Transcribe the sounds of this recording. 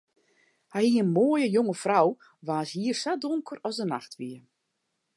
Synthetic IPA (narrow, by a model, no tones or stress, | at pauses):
hajiənmoːjəjoŋəfraw | ʋaːshiərsadoŋkʰərɔsdəna̰xtʋiə